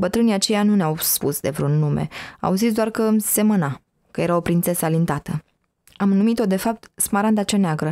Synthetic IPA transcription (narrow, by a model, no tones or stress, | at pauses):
bət̪ɾɨniat͡ʃe̞januneawspusd̪e̞vɾunːumḛa̰wzit̪d̪oarkəmse̞məna | kəje̞ɾaopɾint̪sesalint̪at̪ə | amnumit̪o̞d̪e̞fap̚t̪smaɾand̪at͡ʃaneaɡɾə